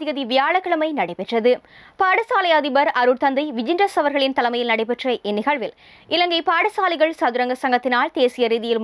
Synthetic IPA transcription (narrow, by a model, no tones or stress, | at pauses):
ɪɣɐðiʋɪjaːɭɐkːɐɭɐmɐɪnɐɽɐɪpɛʈrɐðɯ | paːɽɐsaːlɐjaːðɪbɐɾɐɾɯɽt̪ɐnd̪ɐɪʋɪd͡ʒɪndrɐsɐʋɐɾɣɐɭɪnt̪ɐlɐmɐjɪlnɐɽɐɪp̬ɛʈrɐʔɪnːɪɣɐɭʋɪl | ɪlɐŋɡɐɪpaːɽɐsaːlɪɣɐɭsɐðɯɾɐŋɡɐsɐŋɡɐt̪ːɪnaːlt̪eːsɪjɐɾiːðɪjɪlm